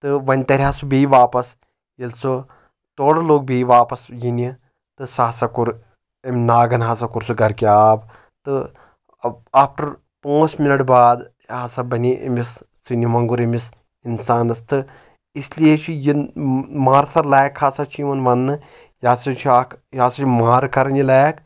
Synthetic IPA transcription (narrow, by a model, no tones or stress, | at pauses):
t̪ɨʋɐnʲt̪ɐɾʲɦaːsubiːʋaːpɐs | jilsu | t̪oːɽɐloːɡ̚biːʋaːpɐsjini | t̪ɨsaːsɐkuɾ | ɐmʲnaːɡɐnɦas̬ɐkuɾsuɡɐɾkʲjaːb | t̪ɨ | aːpʰʈɐɾ | pãːt͡ʃminɐʈbaːd̪ | ɦaːsɐbɐniʔɐ̰mis | t͡sunʲimɐŋɡuɾɐmis | insaːnɐst̪ɨ | isliet͡ʃʰijimaːɾsɐɾlaːkʰhaːsɐt͡ʃʰiʋɐnʋɐnːɨ | jaːsɐt͡ʃʰajaːsɐt͡ʃʰʲimaːɾkɐɾɐnilaːk